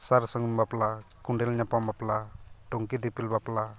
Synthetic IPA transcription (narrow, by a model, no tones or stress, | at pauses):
saɾsəŋumbaplakuɳɖelɲapambaplaʈoŋkid̪ipilbapla